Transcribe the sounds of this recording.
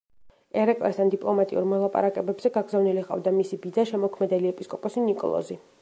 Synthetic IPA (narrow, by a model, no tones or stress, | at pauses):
ɛɾɛkʼlɛst̪ʰand̪ipʼlˠɔmat̪ʼiṵɾmɔlˠapʼa̰ɾakʼɛbɛbz̥ɛɡaɡzavniliqʼa̰vd̪amisibid̪zaʃɛmɔkʰmɛd̪ɛliɛpʼiskʼɔpʼɔsinikʼɔ̰lˠɔ̰zi